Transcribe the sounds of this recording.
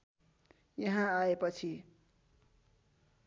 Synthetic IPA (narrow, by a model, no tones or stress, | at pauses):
jʌɦãaepʌt͡sʰi